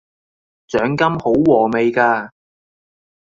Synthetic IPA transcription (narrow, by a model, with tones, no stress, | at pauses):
t͡sœː˨˥ŋkɐ˥mho˨˥wwɔː˨˩me˨˧jkaː˧